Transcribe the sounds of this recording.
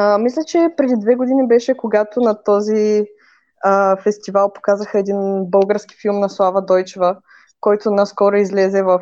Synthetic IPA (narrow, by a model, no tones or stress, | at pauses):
mislʲət͡ʃɛpɾɛd̪id̪vɛɡod̪inibɛʃɛkoɡat̪onɐt̪ɔzi | əfɛst̪ivalˠpo̥kazəxəɛd̪inbɤlˠɡəɾski̥filˠmnɐslˠavɐd̪ɔjt͡ʃɛvə | kɔjt̪ʊnaskɔɾoizlɛzɛvɐf